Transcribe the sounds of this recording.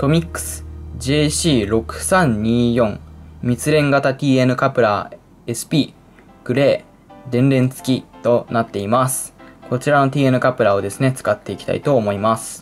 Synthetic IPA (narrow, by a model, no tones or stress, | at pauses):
t̪o̞mʲikːɯ̟̥sɨ̥d͡ʑe̞ːɕiːɾo̞kɯ̟̥sãɲ̟ɲiːjõ̞ŋmʲit͡sɨɾẽ̞ŋɡat̪at̪ʲiːe̞nɯ̟kapɯ̟ɾa | e̞sɨ̥pʲiː | ɡ̥ɯ̟ɾe̞ː | d̪ẽ̞nɾẽ̞nt͡sɨ̥kʲit̪o̞nat̪ːe̞imasɨ̥ko̞t͡ɕiɾano̞t̪ʲiːe̞nɯ̟kapɯ̟ɾao̞d̪e̞sɨne̞t͡sɨ̥kat̪ːe̞ikʲi̥t̪a̰it̪o̞ːmo̞imasɨ̥